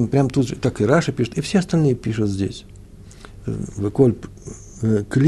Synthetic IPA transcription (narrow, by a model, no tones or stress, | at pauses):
mpɾʲamt̪ut̪t̪akɨɾaʂɨpʲiʂʊt̪ifsʲeɐst̪ɐlʲnɨjəpʲiʂʊt̪zʲdʲḛsʲ | vɨkolʲp | əklʲ